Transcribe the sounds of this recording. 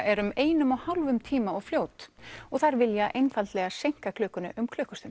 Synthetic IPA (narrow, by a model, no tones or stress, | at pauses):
ʔɛɾʏmeːjnʏmɔɣhawlvʏmt̪ʰiːmaɔɣfljoːwt̪ɔɣθaɾvɪljaʔejnfalt̪lɛːɣasejŋ̥kakʰlœːkʏnʏʔʏmkʰlœːkʏ̥st̪ʏm